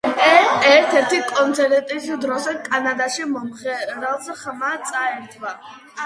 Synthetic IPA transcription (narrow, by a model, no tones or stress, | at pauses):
ɛɛɾt̪ʰɛɾt̪ʰikʼɔnt̪sʰɛɾɛt̪ʼisd̪ɾɔsɛkʼanad̪aʃimɔmχɛɾɛlˠsχmat̪sʼaɛɾt̪ʰva